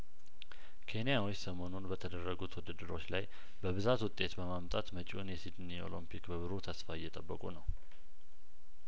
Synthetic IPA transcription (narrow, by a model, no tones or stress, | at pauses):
kʰe̞nijawisəmo̞nunbət̪ʰəd̪ərːəɡut̪ʰwɔd̪əd̪əɾo̞t͡ʃːlaj | bəβɨzat̪wʊt̪ʼːe̞t̪bəmamt̪ʼat̪mət͡ʃʼionjɛsid̪nio̞̰limpʰikbəβɨɾut̪ʰəsfajːɛt̪ʼəbːəkʼunəw